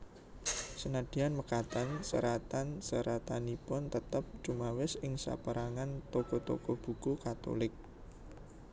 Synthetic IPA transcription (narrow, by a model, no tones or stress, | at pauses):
sənad̪̥i̤anməkat̪ansə̰ɾat̪ansəɾat̪anipʊnt̪ət̪əp̚t͡ʃumawɪsɪŋsa̰pəɾaŋant̪okot̪o̰kob̥ṳkukat̪o̰lɪk̚